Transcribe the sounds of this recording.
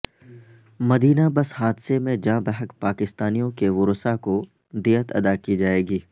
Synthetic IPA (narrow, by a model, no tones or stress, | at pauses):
mɐd̪iːnabɐshaːd̪semẽd͡ʒãːbɛɦəkpaːkɪst̪aːnijõkeʋʊɾʊsako | d̪iːət̪ɐ̰d̪akid͡ʒaːeːɡiː